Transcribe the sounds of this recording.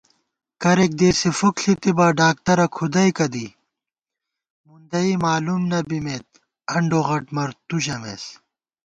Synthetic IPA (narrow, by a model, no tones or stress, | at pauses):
kɐɾek̚d̪eːsefukɬit̪ibaːɖaːk̚t̪ɐɾɐkʰud̪ɐikɐd̪i | mund̪ɐimaːlumnɐbimeːt̪̚ | ɐɳɖoːɣɐʈmɐɾt̪uʑɐmḛs